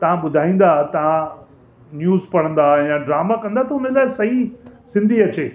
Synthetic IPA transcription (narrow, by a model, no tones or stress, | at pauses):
t̪ɐʋ̤ãɓʊd̪ʱaːĩːn̆d̪at̪ɐʋ̤ã | njuːzpɐɽə̃nd̪ajãɖɾaːmakɐ̃nd̪at̪ʰɐɦʊnəlaːɪsɐɦisɪ̃nd̪ʱiɐt͡ɕeː